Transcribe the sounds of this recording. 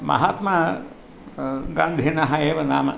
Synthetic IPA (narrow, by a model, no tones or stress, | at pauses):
mɐ̰ɦat̪mɐ | ɡaːnd̪ʱinɐɦɐeːʋɐnaːmɐ̰